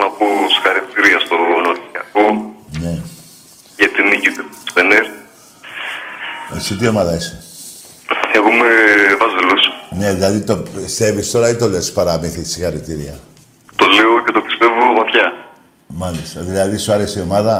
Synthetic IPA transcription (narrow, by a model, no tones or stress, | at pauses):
nɐposi̥xɐɾit̪iɾiɐst̪onoɾiɐkone̞ | ʝɐt̪inicit̪eeneɾ | ḛsit̪̬io̞mɐðɐise̥ | eɣumevɐzilusne̞ðilɐðit̪opist̪e̞vist̪o̞ɾɐit̪o̞le̞spɐɾɐmiθisixɐɾit̪iɾiɐ | t̪o̞le̞oce̞t̪o̞pi̥st̪e̞vovɐt̪çɐ | mɐlist̪ɐðilɐðisuɐɾe̞sio̞mɐðɐ